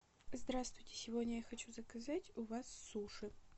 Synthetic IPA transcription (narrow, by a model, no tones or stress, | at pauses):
zd̪ɾast̪vʊjtʲɪ̥sʲɪvodʲnʲəjaxɐt͡ɕuzəkɐzatʲʊvasːuʂɨ